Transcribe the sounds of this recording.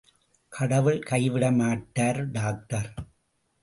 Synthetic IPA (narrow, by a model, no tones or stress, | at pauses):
kʰɐɽɐʋɯɭkɐɪʋɪɽɐmaːʈːaːɾɖaːk̚ʈɐɾ